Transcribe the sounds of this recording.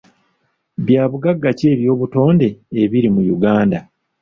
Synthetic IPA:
βjaːβuɡaɡːace̞ːβjo̞ːβuto̞ːnde̞ːβiɾimujuɡaːnda

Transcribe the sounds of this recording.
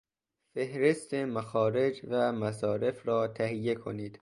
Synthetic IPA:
fe̞hɾe̞st̪ʰemæxɒːɾe̞d͡ʒvæmæsɒːɾe̞fɾɒːt̪ʰæhijːe̞kʰo̰niːd̪̥

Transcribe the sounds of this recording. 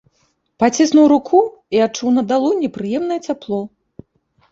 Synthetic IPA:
pat͡sʲisnuwɾukʰu | iat͡ʂuwnɐd̪alˠunʲɛpɾɨjɛmnɐjɛt͡sʲaplˠɔ

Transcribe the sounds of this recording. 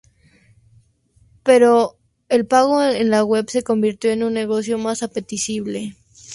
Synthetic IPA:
pe̞ɾo̞ | e̞lpaɣo̞enlaɣwe̞βseko̞mbiɾt̪jo̞enũnːe̞ɣ̞o̞sjo̞masape̞t̪isiβ̞le̞

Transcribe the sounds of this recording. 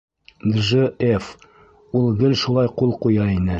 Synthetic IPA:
d̪ʒɘef | ulˠɡɘlʃulˠɑjqulˠqujɑinɘ

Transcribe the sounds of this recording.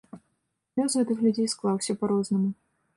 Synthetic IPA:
lʲozɦɛt̪ɨxlʲʉdʲejsklˠɑwsʲɐpɐɾoznɨmʊ

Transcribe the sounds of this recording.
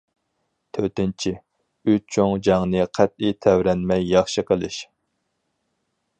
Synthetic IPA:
t̪ʰøɾt̪ɪnt͡ʃʰi | yt͡ʃʰoŋd͡ʒɑŋnɨqʰæt̪lit̪ʰɛwɾɛnmɛjːɑχʃɨqʰəlˠɨʃ

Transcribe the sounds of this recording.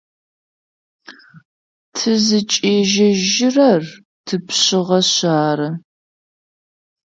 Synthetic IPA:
tʰɨzɨt͡ʃʼeːʒɐʒɪrɐr | tʰɨpɕɪʁɐɕaːɾɐ

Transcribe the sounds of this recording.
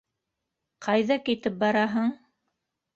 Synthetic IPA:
qʰɑjðɑkit̪ɘp̚bɑɾɑɦɤɴ

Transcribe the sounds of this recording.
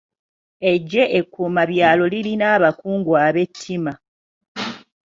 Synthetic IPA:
e̞ɟːe̞ʔekːuːmaβjaːlo̞lilinaːβakuːŋɡwaβe̞tʰːima

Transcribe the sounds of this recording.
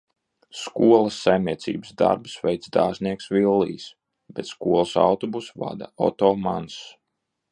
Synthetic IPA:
skuɔlˠasːajmniɛt̪sḭːbsd̪a̰ɾbsvʲɛjt̪sd̪aːzniɛksvilˠːḭːs | bɛt̪skuɔlˠsa̰wt̪ɔbusva̰d̪aɔ̰t̪ɔːmans

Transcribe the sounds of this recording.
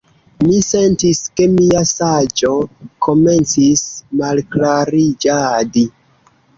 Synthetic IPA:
mise̞ntiske̞miasad͡ʒo̞kʰo̞me̞nt͡sismalklaɾid͡ʒadi

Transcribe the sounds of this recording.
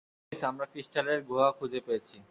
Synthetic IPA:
samɾakɾisʈaleɾɡʱoɦakʰud͡ʑʱepejet͡ɕʰi

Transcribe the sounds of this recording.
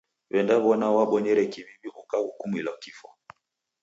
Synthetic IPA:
βɛndaβɔnawaɓɔɲɛɾɛkiβiβiʔukahukumilakifɔ̰

